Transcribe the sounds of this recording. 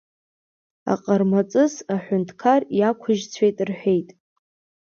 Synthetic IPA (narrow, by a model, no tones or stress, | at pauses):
a̰qʼərmat͡sʼɨzaħʷᶣʊntʰkʰarjakʷʰʊʒt͡sʷʰejtʼrħʷᶣe̞jtʼ